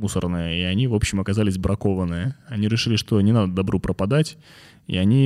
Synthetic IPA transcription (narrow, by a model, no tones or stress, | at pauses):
usə̰rnəjəiɐnʲivo̞pɕːɪmɐkɐzalʲɪsʲbɾʔɐko̞vənːɨjəɐnʲiɾʲɪʂɨlʲɪʂt̪o̞nʲɪnad̪əd̪ɐbɾʔupɾʔəpɐd̪atʲ | ḭɐnʲi